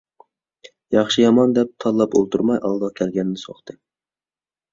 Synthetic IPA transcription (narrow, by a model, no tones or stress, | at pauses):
jɑχʃijɑmɑnd̪ɛp̚t̪ʰɑlˠːɑpolˠt̪ʰuɾmɑjʔɑlˠd̪ɑkʲʰɛlɡʲɛnnɪsoχt̪ʰɨ